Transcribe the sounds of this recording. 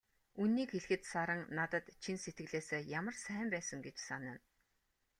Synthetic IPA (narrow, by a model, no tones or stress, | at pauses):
unːiːkxeɮ̆xɘ̆t̪saɾə̆ŋnat̪ə̆t̪t͡ɕʰinset̪ɡɘ̆ɮeːseːjamə̆rsæːmpæːsə̆ŋɡet͡ɕsanə̆n